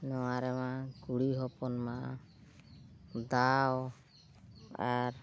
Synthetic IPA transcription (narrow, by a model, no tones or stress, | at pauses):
nɔwaɾɛmaɡuɽiɦɔpɔnmaʔa | d̪aw | aɾ